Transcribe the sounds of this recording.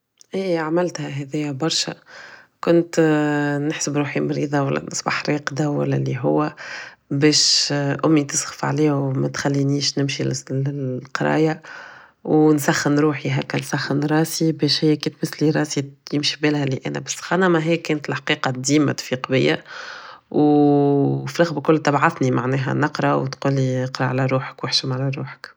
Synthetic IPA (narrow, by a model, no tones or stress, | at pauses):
ʔiːʕamælt̪hæɦɛðɪjːæbɑɾˤʃæ̰kʊnt̪nɪħsəbɾuːħimɾiːðˤɑwæ̰lːæ̰nəsˤbɑħɾeːqd̪awæ̰lːæ̰liɦʊwːæbɛːʃʔʊmːit̪əsɣə̥fʕliːwmæt̪xælːiniːʃnɪmʃilllqɑɾˤɑ̰ːja | wnsæxːənɾuːħiɦækːænsæxːənɾˤɑːsibɛːʃhɪjːækiːt̪̚bæsliɾˤɑːsijɪmʃibeːlhæliʔɛ̰ːnæ̰bæsːxɑnamaɦɪjːkɛːnt̪lħaqiːqɑd̪iːmæ̰t̪fiːqbɪ̰jːæ̰ | w | fiɾˤɑɣbkʊlːt̪ɑbʕɑθnimaʕnɛːɦæ̰nɑqɾˤɑwt̪quːlːiəqɾˤɑʕalæɾˤuːħə̥kwɪħʃəmʕalæɾˤuːħə̥k